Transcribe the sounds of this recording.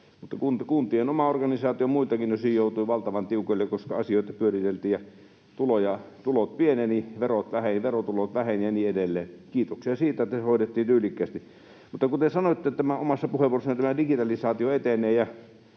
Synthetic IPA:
mut̪ːɑkunt̪kunt̪ˑienomɑorɡɑnisɑːt̪iomuilt̪ɑkinnøsijjoˑut̪uiʋɑlt̪ɑʋɑnt̪iukoilːekoskɑɑsioˑit̪ɑpyørit̪elt̪iːjɑ | t̪ulojɑt̪ulot̪̚pieneːniʋerot̪ʋæhenʋerot̪ulot̪ʋæhenjɑniːedelːeːnkiːt̪oksiɑsiːt̪æet̪ːæshoˑidet̪ːiːnt̪yːlikːæˑːst̪i | mut̪ːɑkut̪esɑnoit̪ːet̪æmæomɑsːɑpuheʋˑuoroesɑnit̪æmædikit̪ɑlisɑːt̪ioet̪enˑeːjɑ

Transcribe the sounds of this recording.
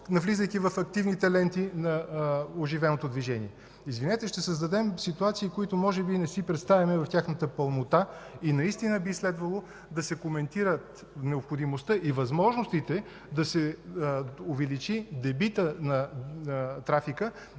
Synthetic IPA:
nɐvlizəjk̪ivɐfɐk̚t̪ivnit̪ɐlɛnt̪inɐoʒivɛnot̪od̪viʒɛniɛ | izvinɛt̪ɛʃt̪ɛsəzd̪ɐd̪ɛmsit̪uat̪siːkoit̪ʊmɔʒɛbinɛsipɾɛt̪st̪avʲɐmɛvɐft̪ʲjaxnət̪əpɐlˠnot̪ainɐist̪inəbislɛd̪vəlˠo | d̪ɐsɛkomɛnt̪iɾət̪ | nɛopxod̪imost̪əʔivɐzmɔʒnost̪it̪ɛ | d̪ɐsɛ | ovɛlit͡ʃid̪ɛbit̪ənɐ | t̪ɾafikə

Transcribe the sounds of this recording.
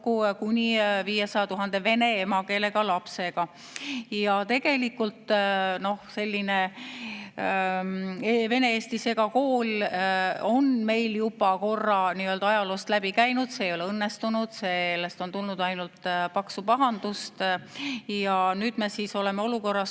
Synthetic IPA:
kukunʲiviːje̞sɑjɑt̪uɦɑnd̪̥e̞ve̞ne̞emɑke̞ːle̞ɡ̥ɑlɑpse̞ɡ̥ɑ | jɑt̪e̞ɡ̥e̞likːult̪no̞hse̞lʲːine̞ | eve̞ne̞eːst̪ise̞ɡɑko̞ːl | o̞nme̞jljubɑko̞rːɑniøld̪̥ɑɑjɑloːst̪læb̥ikæjnud̪̥seːjo̞leɤnːest̪unud̪̥seːlːest̪o̞nt̪ulnud̪ɑjnult̪pɑksupɑɦɑnd̪̥ust̪ | jɑnyːd̪me̞siːso̞le̞meo̞luko̞rːɑs

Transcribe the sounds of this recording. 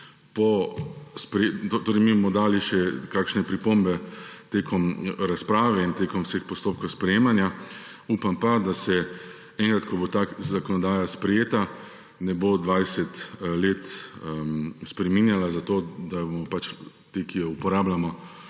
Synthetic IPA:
pɔspɾɛt̪ot̪oːɾɛjmimɔd̪aːliʃɛkaːkʃnɛpɾipombɛt̪eːkʰɔmɾaspɾaːʋɛint̪eːkɔmwsexpɔst̪oːp̚kowspɾɛjeːmanja | uːpampad̪asɛ | ɛŋkɾat̪kɔbot̪azakɔnɔd̪aːjaspɾɛjeːt̪a | nɛbod̪ʋajsɛt̪leːt̪ | spɾɛminjalazat̪oːd̪abomɔpat͡ʃ | t̪ekijɔupɔɾaːblamɔ

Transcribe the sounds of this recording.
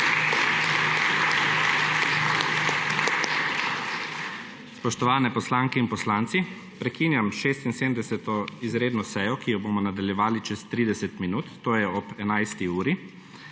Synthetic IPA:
spɔʃt̪ɔʋaːnɛpɔslaːŋkɛinpɔslaːnt̪si | pɾɛkiːnjamʃeːst̪inseːmd̪ɛsɛt̪ɔizɾeːd̪nɔsɛjɔkijɔboːmɔnad̪aljɛʋaːlit͡ʃɛst̪ɾiːd̪ɛsɛt̪minuːt̪ːoːjɛɔpɛnajst̪iuːɾi

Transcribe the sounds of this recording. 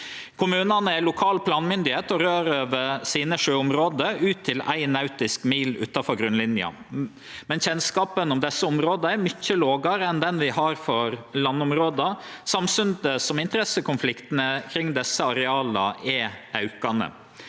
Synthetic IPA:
kʰʊmʉːnɑnəælʊkʰɑːlpʰlɑːnmʏnd̪ɪheːt̪ɔɾøːɾøːʋəɾsiːnəʂøːʊmɾoːd̪əʉːt̪ʰːɪlæ̰ɪnɑʉt̪ɪskmiːlʉ̰ːt̪ɑfɔɾɡɾʉnlɪnjɑ̰ | mɛnçɛnskɑːpənʊmd̪ɛsːəʊmɾoːd̪əæɾmʏçːəloːɡɑɾəɛnd̪ɛnʋɪhɑɾfɔɾlɑnːʊmɾoːd̪əsɑmsʉnd̪əsɔmɪnt̪əɾɛsəkʰʊnflɪkt̪ənəkʰɾɪŋd̪ɛsːəɑɾɛɑːlɑ̰ɛɑʉkɑnə̰

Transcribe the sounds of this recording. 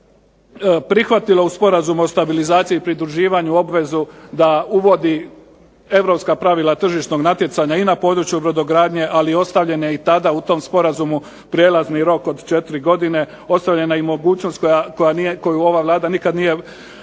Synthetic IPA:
pɾixʋat̪ilo̞uspo̞ɾazumuost̪abilizaːt̪sijiːpɾid̪ɾuʒiːʋaɲuo̞bʋe̞zud̪auʋo̞d̪i | e̞ʋɾo̞pskapɾaʋilˠat̪r̩ʒiʃt̪no̞ɡnat̪je̞t̪saɲainapo̞ːd̪ɾut͡ɕjubɾod̪o̞ɡɾaːd̪ɲe̞ʔalio̞st̪aʋʎe̞nait̪ad̪aut̪o̞mspo̞ɾazumu | pɾje̞ːlˠazniɾo̞ko̞d̪t͡ʃe̞t̪iɾiɡo̞d̪ine̞ | o̞st̪aʋʎe̞naimo̞ɡuːt͡ɕno̞st̪kojako̞janiko̞juo̞ʋaʋlˠaːd̪anikad̪nije̞

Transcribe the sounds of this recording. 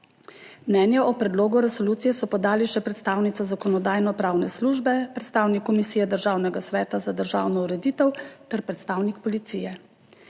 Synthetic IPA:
mnɛːnjɛʔɔpɾɛd̪loːɡuɾɛsɔluːt̪sijɛsɔpɔd̪aːliʃɛpɾɛt̪st̪aːwnit̪sazakɔnɔd̪aːjnɔpɾaːwnɛsluʒbɛpɾɛt̪st̪aːwnikːɔmisiːjɛd̪əɾʒaːwnɛɡasʋɛːt̪azad̪əɾʒa̰ːwnɔuɾɛd̪iːt̪ɛwt̪ɛɾpɾɛt̪st̪aːwnikpɔlit̪sijɛ

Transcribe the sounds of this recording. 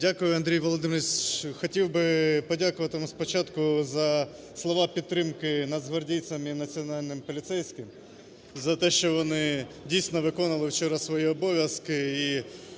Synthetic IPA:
dʲakʊjʊɐnd̪ɾʲijʋɔlˠɔd̪ɪmsʲxɔtʲiwbɪpɔdʲakʊʋɐt̪ɪmspɔt͡ʃɑt̪kʊzɐ | slˠɔʋɑpʲidt̪ːɾɪmkɪnɐd̪zɦɔrdʲij̪sʲɐminɐt͡sʲiɔnɑlʲnɪmpɔlʲit̪sɛjsʲkɪm | zɐt̪ɛʃt͡ʃɔʋɔnɪdʲijsʲnɔʋɪkɔnɐlˠɪwt͡ʃɔɾɐsʋɔjiɔbɔʋʲjɐskɪi

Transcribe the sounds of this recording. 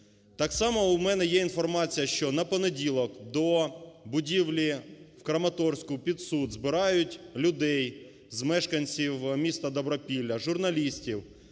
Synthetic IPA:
t̪ɑksɑmɔʊmɛnɛjɛinfɔrmɑt͡sʲijɐʃt͡ʃɔnɐpɔnedʲilˠɔkd̪ɔbʊdʲiwlʲiwkɾɐmɐt̪ɔrsʲkʊpʲid̪sud̪zbɪɾɑjʊtʲlʲʊd̪ɛj | zmɛʃkɐnʲt͡sʲiwmʲist̪ɐd̪ɔbɾɔpʲilʲːɐʒʊrnɐlʲisʲtʲiw

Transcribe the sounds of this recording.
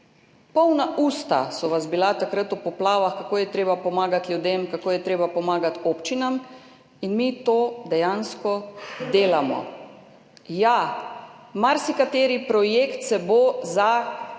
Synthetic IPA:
pɔwnaʔuːst̪a̰sɔʋazbilat̪akɾat̪upɔplaːʋaxkakoːjɛt̪ɾeːbapɔmaːɡat̪ljud̪emkakoːjɛt̪ɾeːbapɔmaːɡat̪oːpt͡ʃinam | inmit̪oːd̪ɛjaːnskɔd̪eːlamɔ̰ | ja | maɾsikat̪eːɾipɾɔjekt̪sɛboza

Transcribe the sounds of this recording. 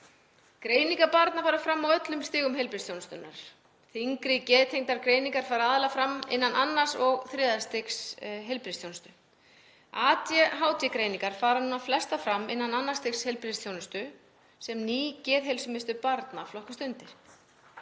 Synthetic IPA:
kɾeːjniŋkapaɾt̪nafaːɾafɾamːawœt̪lʏmst̪ɪːɣʏmhelpɾɪst̪jownɪst̪ʏnːa̰ɾ̥ | θiŋkɾɪcɛːðt̪ʰejŋt̪aɾkɾeːjniŋkaɾ̥faːɾaaðɪlafɾamːɪ̰nːanʔanːḁsɔɣθɾɛːðast̪eksɦejlpɾɪst̪jownʏst̪ʏ | aːt̪jɛɦaːwt̪jɛkɾejniŋkaɾ̥faːɾanuːnaflɛst̪afɾamːɪnːananːḁst̪ɪkshejlpɾɪst̪ʰjownɪst̪ʏ | sɛmniːcɛːðɦejlsʏmɪst̪ʏpaɾt̪naflɔhkast̪ʏnt̪ɪ̥

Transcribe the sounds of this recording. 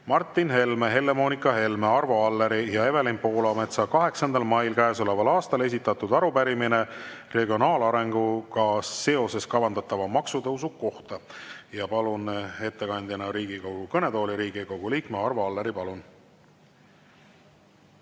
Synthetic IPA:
mɑrt̪ːˑinɦe̞lmeɦe̞lːe̞mo̞ːnikːˑɑɦe̞lme̞ɑrvo̞ɑlːeɾijɑe̞velimpo̞ːlɑme̞t̪sɑkɑɦe̞ksɑnd̪ɑlmɑjlkæːso̞levɑlɑːst̪ɑle̞sit̪ːˑɑt̪ud̪ɑɾupæɾimine̞re̞ɡio̞nɑːlɑɾe̞ŋɡ̥ukɑsːe̞o̞se̞skɑvɑnd̪̥ɑt̪ːˑɑvɑmɑksud̪ɤusukkːo̞ht̪ɑjɑpɑlune̞t̪ːe̞kɑnʲd̪jɑnɑɾiːɡ̥iko̞ɡ̥ukɤne̞d̪o̞ːliɾiːɡ̥iko̞ɡ̥uliːkmeɑrvoɑlːeɾipɑlun

